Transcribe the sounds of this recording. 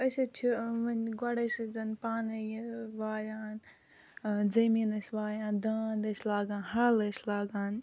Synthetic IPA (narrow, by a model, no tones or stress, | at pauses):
ɐsɐt͡ʃʰimɐnɡɐɽɐsɐd̪ɐnpaːnɐjʋaːjaːn | zɐmiːnɐsʲʋaːjãːnd̪aːnd̪ɐslaːɡãːnhɐlɐslaːɡaːn